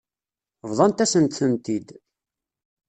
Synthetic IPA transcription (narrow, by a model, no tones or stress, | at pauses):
vðˤɑnt̪æsənt̪θənt̪id̪